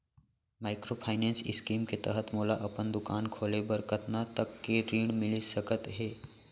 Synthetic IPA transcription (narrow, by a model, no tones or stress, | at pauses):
maːɪkɾopʰaːɪneːnsɪskiːmket̪əɦət̪moːlaʔɐpənd̪ʊkaːnkʰoːlebəɾkət̪nat̪əkːeɾiːɽmɪlisəkət̪ɦeː